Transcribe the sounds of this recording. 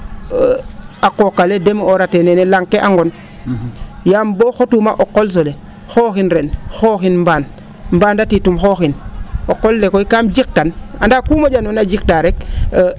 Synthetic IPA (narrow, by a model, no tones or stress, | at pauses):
akokːaledemoɾatenenelaŋkeʔaŋɡon | jamboxotumaʔokːols̬ole | xoːxinɾenxoːxinmbaːn | mbaːndatitumxoxinokːolːekoikamd͡ʒik̚tanandakumaɟanonad͡ʒik̚taɾek